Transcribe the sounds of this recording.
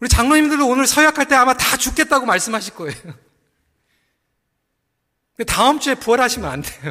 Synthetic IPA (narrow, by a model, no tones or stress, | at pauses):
uɾit͡ɕaŋnʌɲimndɯɭdoonɯɭsʰʌjakʰaɭt͈e̞amatat͡ɕuk͈e̞t̚t͈aɡomaɭs͈ɯmɦaɕʰik͈oeo | kɯndetaɯmt͡ɕ͈ue̞puʌɾɦaɕʰimɯnantʰejo